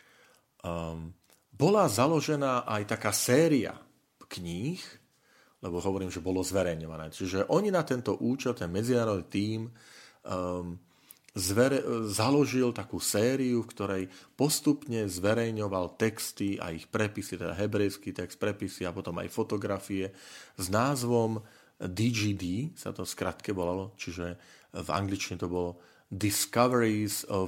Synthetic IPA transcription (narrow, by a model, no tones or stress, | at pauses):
bɔlazalɔʒɛnaːʔajt̪akaːsɛːɾia̰ | kɲiːx | lɛbɔɦɔʋɔɾiːmʒɛbɔlɔzʋɛɾɛjɲɔʋanɛ̰ːt͡ʃiʒɛʔɔɲinat̪ɛnt̪ɔʔuːt͡ʃɛlt̪ɛnmɛd͡zinaːɾɔd̪nit̪iːm | zʋɛɾɛzalɔʒilt̪akuːsɛːɾiufkt̪ɔɾɛjpɔst̪upɲɛzʋɛɾɛjɲɔʋalt̪ɛkst̪ia̰ixpɾɛpisit̪ɛd̪a̰ɦɛbɾɛjskiːt̪ɛkst̪̚pɾɛpisiapɔt̪ɔma̰jfɔt̪ɔɡɾafiɛznaːzʋɔm | d̪id͡ʒiːd̪iːsa̰t̪ɔskɾat̪kɛʋɔlalɔt͡ʃiʒɛva̰ŋɡlit͡ʃiɲɛt̪ɔbɔlɔ | d̪iskaʋɛɾizɔ